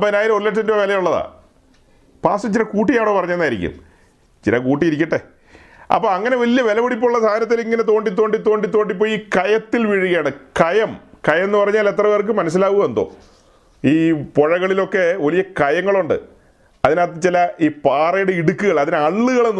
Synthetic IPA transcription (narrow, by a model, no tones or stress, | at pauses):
ɐpːoːinaːjɾɐorleʈsɐndɨʋɐʋelɐjuɭːɐða̰ː | paːsɐt͡ɕːiɾɐkuːʈːijaːɳo̞ːpɐrɐɲːenːaːjiɾḭkʲːṵm | t͡ɕḭɾɐkuːʈ̬ːijiɾikʲːɐʈːe | ɐ̰pːoːɐŋːɐne̞ʋɐlijɐʋe̞lɐmuɽip̬ːouɭːɐsaːd̪ʱɐnɐt̪ːiliŋːɐne̞t̪o̞ːɳɖit̪ːoːɳɖit̪o̞ːɳɖit̪ːo̞ːɖip̬ːoːjiːkɐjɐt̪ːilʋiɻuɣɐjaːɳɨkɐjɐmkɐjɐmenːɨpɐrɐɲːaːle̞t̪rɐʋeːrk̬ːɨmɐnɐs̬ilaːʋuɣɐend̪o̞̰ː | iːpo̞ɻɐɣɐɭilo̞kːe̞ʋɐlijɐkɐjɐŋːɐɭuɳɖɨ̰ | ɐðinaːt̪̬ːɨt͡ɕilɐiːpaːrɐjuɽeiɽukːɨɣɐɭɐðinɨɐɭːuɣɐɭenː